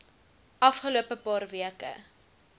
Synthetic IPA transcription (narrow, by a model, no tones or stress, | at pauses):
ʔɐfχəluəpəpɑːrviəkə̰